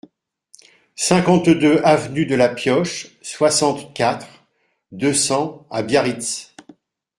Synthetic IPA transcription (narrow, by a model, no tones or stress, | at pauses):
sɛ̃kɑ̃t̪d̪øʔavnyd̪əlapjɔʃswasɑ̃t̪kʲat̪χ | d̪øsɑ̃abjaʁit̪s